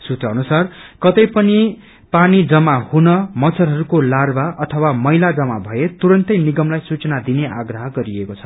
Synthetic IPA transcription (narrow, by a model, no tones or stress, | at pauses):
sut̪rʌʌnusarkʌt̪ʌjpʌni | panid͡zʌmahunʌmʌt͡sʰʌrɦʌɾukolarbaʔʌt̪ʰʌwamʌjlad͡zʌmabʱʌet̪uɾʌnt̪ʌjniɡʌmlajsut͡sʌnad̪ineaɡrʌɦʌɡʌɾiekot͡sʰʌ̥